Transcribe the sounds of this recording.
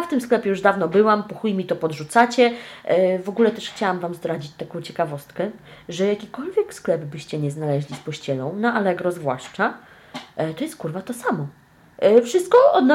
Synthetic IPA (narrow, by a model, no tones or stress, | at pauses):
jaft̪ɘmsklɛpʲjɛjuʐd̪avnɔbɘwampuxujmʲit̪ɔpɔd̪ʐut̪sat͡ɕɛ | vɔɡulɛt̪ɛʂxt͡ɕawamvamzd̪ɾad͡ʑit͡ɕt̪akɔ̃w̃t͡ɕɛkavɔst̪kɛʐɛjakʲikɔlvʲjɛksklɛbbɘɕt͡ɕɛɲɛznalɛʑlʲispɔɕt͡ɕɛlɔ̃w̃naʔalɛɡɾɔzvwaʂt͡ʂa | t̪ɔjɛst̪̚kuɾvat̪ɔsamɔ | fʂɘst̪̚kɔɔd̪nɔ